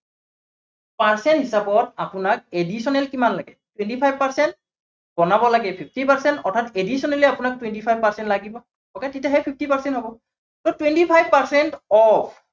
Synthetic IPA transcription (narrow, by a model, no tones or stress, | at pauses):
paɹsɛntɦisapɔtapʊnak̚edisɔnɛlkimanlaɡɛ | twɛntipʰajbpaɹsɛnt̚ | b̥ɔnabɔlaɡɛpʰip̚ʰtipaɹsɛntɔɹtʰatedisɔnɛlɛapʊnak̚twentipʰajb̚paɹsɛntlaɡibɔ | ɔkɛtitaɦɛpʰip̚ʰtipaɹsɛntɦɔbɔ | tɔtwentipʰajbpaɹsɛntɔpʰ